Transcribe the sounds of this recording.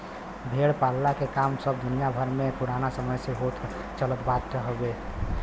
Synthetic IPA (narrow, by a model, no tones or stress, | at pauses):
bʱeɽpalnakekamsəb̚d̪ʱunijabʱəɾmepuɾanasəməjseɦot̪ʰ | t͡ʃələt̪bad̪ɾəɦobe